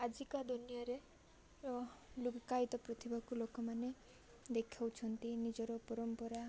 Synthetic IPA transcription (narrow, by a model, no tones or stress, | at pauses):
ad͡ʒikad̪onijɔɾe | luɡkajt̪ɔpɾɔt̪ʰibʱakulokɔmane | d̪ekʰawt͡ʃʰɔnt̪inid͡ʒɔɾɔpɔɾɔmpɔɾa